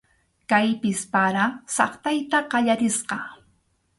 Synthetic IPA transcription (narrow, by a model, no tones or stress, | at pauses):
kajpɪspaɾasɑχt̪ajt̪aɢɑʎaɾɪsqɑ